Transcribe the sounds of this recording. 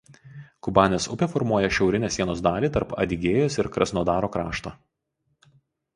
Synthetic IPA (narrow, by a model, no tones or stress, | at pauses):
kʊbɑːnʲesʊpʲefɔɾmuɔjɛʃʲɛʊɾʲɪnʲeːsʲiɛnoːsd̪ɑːlʲiːt̪ɐɾpɐ̰d̪ʲɪɡʲeːjoːsɪɾkɾɐsnoːd̪ɑːɾoːkɾɑːʃt̪oː